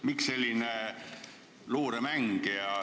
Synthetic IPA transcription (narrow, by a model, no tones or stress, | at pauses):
miksse̞lʲːine | loːɾemæŋɡ̥ejɑ